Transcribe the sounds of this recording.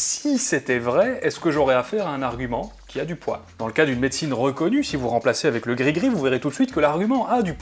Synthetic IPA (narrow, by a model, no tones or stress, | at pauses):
sisɛt̪ɛvʁɛɛsə̥kəʒɔʁɛafɛʁaɛ̃naʁɡʲymɑ̃kʲiad̪ypwa̰ld̪ɑ̃ləkad̪ynmet̪sinʁəkɔnysivuʁɑ̃plaseavɛkləɡʁiɡʁivuveʁet̪ut̪sɥit̪kəlaʁɡʲymɑ̃ʔad̪yp